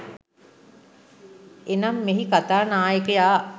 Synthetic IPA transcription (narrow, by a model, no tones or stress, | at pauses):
enamːeɦikat̪aːnaːjəkəjaː